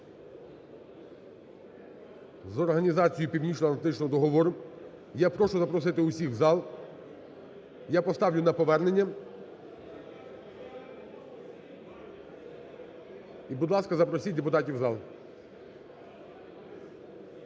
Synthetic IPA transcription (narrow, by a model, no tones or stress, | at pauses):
zɔrɦɐnʲizɑt͡sʲijipʲiwnʲit͡ʃlɐnɐt̪ɪt͡ʃnɔɦɔd̪ɔɦɔʋɔɾʊ | japɾɔʃʊzɐpɾɔs̬ɪt̪ɪʊsʲiɣzɑlˠ | japɔst̪ɑwlʲʊnɐpɔʋɛrne̞nʲːɐ | ibʊd̪lˠɑskɐzɐpɾɔsʲid̪epʊt̪ɑtʲiwzɑlˠ